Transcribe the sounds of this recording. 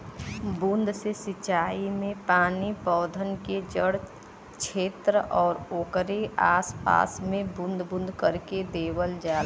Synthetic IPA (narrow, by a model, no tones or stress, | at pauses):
bʊ̃nd̪ʱsesɪt͡ʃaːimẽpaːnipɔːd̪ʱənked͡ʒəɽ | t͡ʃʰeːt̪ɾəʔɔːɾoːkɾeaːspa̰ːsmẽbʊ̃nd̪ʱbʊ̃nd̪ʱkəɾked̪eːwəld͡ʒaːl